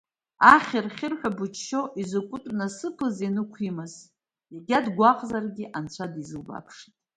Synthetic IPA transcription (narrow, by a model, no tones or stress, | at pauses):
aχʲɪrχʲɪrħʷᶣabut͡ʃʰʃo̞ʔizokʷʼʊtʷʼnasɨpʰɨzinɨkʷʰimɨz | jaɡʲadɡʷaqʼzarɡʲiʔant͡ɕʷʰadizɨlba̰pʰʂi̥tʼ